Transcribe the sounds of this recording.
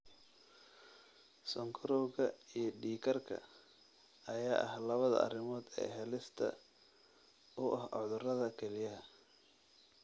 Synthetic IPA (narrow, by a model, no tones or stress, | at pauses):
sɔŋkʰɔɾɔːɣɐijɞɖiːkʰɐrkʰɐ̰ | ɐjaːʔɐhlɐβɐðɐ̰ʔɐ̰rɪmɔːd̪ɛ̰ːɦɛlɪst̪ʰɐ̰ | ʊʔɐhɔðʊrɐðɐkʰɛlɪjɐɦɐ